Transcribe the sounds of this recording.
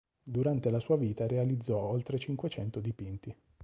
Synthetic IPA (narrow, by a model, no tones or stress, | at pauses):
d̪uɾant̪elasuːaviːt̪aɾealid̪zːɔolt̪ɾet͡ʃiŋkwet͡ʃɛnt̪od̪ipint̪i